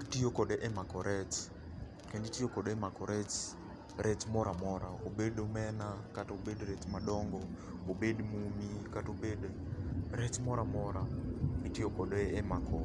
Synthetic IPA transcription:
ktijokɔɗɛʔɛmakɔɾʔɛt͡ʃ | kɛnditijokɔɗɛmakɔɾɛt͡ʃ | ɾɛt͡ʃmɔɾamɔɾaobedomɛnakatobedɾɛt͡ʃmaɗɔŋɡɔ | bobedmumikatobedɾɛt͡ʃmɔɾamɔɾaitijokɔdːmakʰɔ

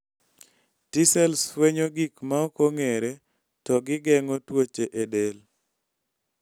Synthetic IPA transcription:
tisɛlsweɲoɡikmaokoŋeɾe | tɔɡɪɡɛŋotwot͡ʃeʔedel

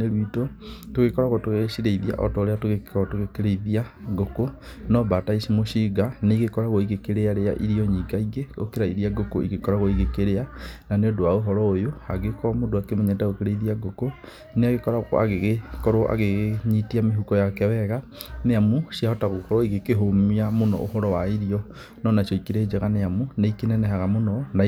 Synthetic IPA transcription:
neɾwitotoɣekɔɾaɣɔtoɣesiɾeiðia̰ʔɔ̰tɔɾeatoɣeɔtoɣekeɾeiðiaɡokonɔbataisimoʃiːɡaneiɣekɔɾaɣoiɣekeɾeaɾea̰ʔiɾiɔɲiɡaiɡeo̰keɾaiɾiaɡoko̰ḭɣekɔɾaɣoiɣekeɾeananeodoaoɦɔɾɔojoaɣekɔmodoakemɛɲɛtaɣokeɾeiðiaɡoko | neaɣekɔɾaa̰ɣeɣekɔɾoʔa̰ɣeɲitiameɦukɔjakɛwɛɣaneamusiahɔtaɣokɔɾɔiɣekeɦomiamonɔ̰ʔoɦɔɾɔwaiɾiɔ | nɔnaʃɔikeɾed͡ʒeɣaneamuneikenɛnɛhaɣamonɔna

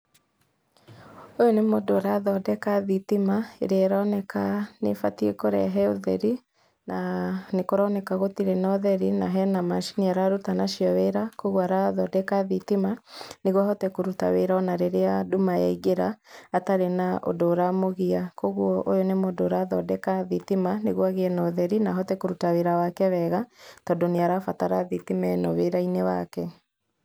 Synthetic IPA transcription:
ojonemodoɾaðɔdɛkaðitimaḛɾeaɾanɛkanḛfatiekoɾɛ̰ɦɛoðɛ̰ɾi | nanekoɾɔnɛkaɣotiɾɛnɔðɛɾinaɦɛnamaʃi̥niaɾaɾutanaʃiɔweɾakoɣwaɾaðɔdɛkaðitimaneɣwahɔtɛkoɾuta̰weɾaɔnaɾeɾeadumaja̰iɡeɾaːtaɾenaʔo̰doːɾamoɣiakoɣwɔʔojonemodoːɾaðɔdɛkaðitimaneɣwaɣeɛnɔðɛɾinaɦɔtɛkoɾutaweɾawakɛβɛɣatɔdoneaɾafataɾaðitimɛnɔweɾainewakɛ

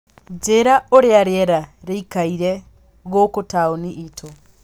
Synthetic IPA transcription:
d͡ʒeɾaoɾjaɾjeɾaɾiikaiɾe | ɣokutʰaoniʔitʰo

